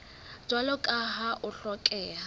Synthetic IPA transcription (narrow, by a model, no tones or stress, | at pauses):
t͡swalɔkʼaɦaʔʊɬɔkʼɛːɦa